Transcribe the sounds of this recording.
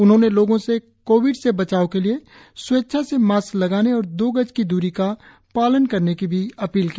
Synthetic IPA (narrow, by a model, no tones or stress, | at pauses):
ʊnɦõneloːɡõse | koːʋɪɖsebɐt͡ʃaːokelie | sʊetːʃʰasemaːslɐɡaːneɔːɾd̪oːɡəd͡ʒkid̪uːɾika | paːlənkɐɾnekibʱiɐpiːlkiː